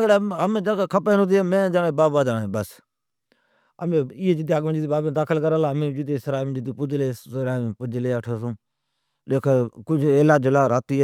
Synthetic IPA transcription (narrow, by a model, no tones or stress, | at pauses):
ɽeəmẽːd͡ʒaːkːkʰəpeːnʊ̃t̪ieːmẽːd͡ʒaːɽeːbaːbaːd̪aːnẽːbəs | əmẽːɪːed͡ʒɪd̪iːaːɡmẽːd͡ʒɪd̪ibaːbẽːd̪aːkʰəlkəɾaːlaːəmẽːd͡ʒɪd̪eːsɾaːmd͡ʒɪd̪iːpʊd͡ʒleːɾaːpʊd͡ʒleːəʈʰoːsũː | leːkʰːkʊd͡ʒeːlaːd͡ʒlaːɾaːt̪iː